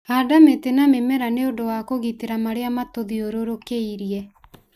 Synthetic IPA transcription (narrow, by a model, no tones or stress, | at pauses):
adametenamemɛɾaneodowakoɣiteɾamaɾeamatoðioɾoɾokeiɾiɛ